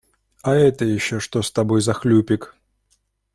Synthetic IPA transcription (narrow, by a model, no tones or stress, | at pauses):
ɐɛt̪əjɪɕːo̞ʂt̪o̞st̪ɐbo̞jzɐxlʲupʲɪk